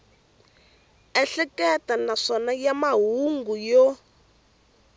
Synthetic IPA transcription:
ɛɬɛkɛtanaʂɔnajamaɦuŋɡujɔ

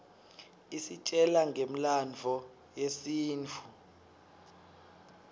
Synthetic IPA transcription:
isit͡ʃʼɛlaŋɡʱem̩land͡vʱɔ | jesiːnt͡fʰu

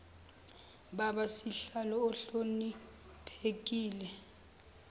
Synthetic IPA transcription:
ɓaɓasiɬalɔːɬoni | pʰek̬iːlɛ

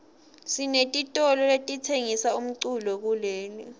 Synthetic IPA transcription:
sinetʼitʼɔlɔletʼitʰeŋisaum̩ǀulɔk̬uleːni

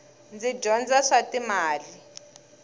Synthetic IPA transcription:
nd͡zid͡ʒɔnd͡zaʂatimaːli

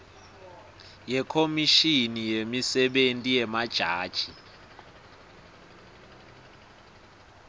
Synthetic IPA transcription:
jɛkʰomiʃinijemisɛɓentʼijɛmad̥ʒ̥ʱaːd̥ʒ̥ʱi

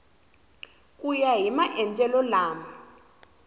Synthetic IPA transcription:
kʼujaɦimaʔɛntʼɛlɔlaːma

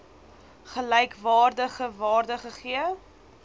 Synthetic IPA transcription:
χəlɛjkvɑːrdəχəvɑːrdəχəχiə

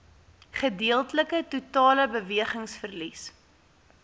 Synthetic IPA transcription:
χədiəlˠtələkətutɑːləbəviəχəŋsfərlis

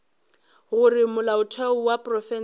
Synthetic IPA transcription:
ɣʊrɪmʊlaʊtʰɛʊwapʼrɔfɛn

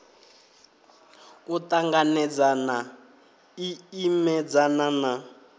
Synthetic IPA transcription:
utaŋɡanɛd͡zana | iimɛd͡zanana

